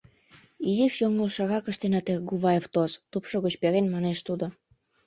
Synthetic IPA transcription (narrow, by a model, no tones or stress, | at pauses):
ijifjoŋəlʃɑɣɑkə̆ʃt̪enɑt̪eɡuβɑjeft̪ost̪upʃoɣət͡ɕpeɾenmɑneʃt̪ud̪o